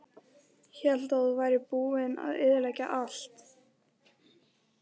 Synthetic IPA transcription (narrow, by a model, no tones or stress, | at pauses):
çɛl̥t̪aðuvaːjɾɪpuːɪna̰ðɪðɪlaca̰ʔalt̪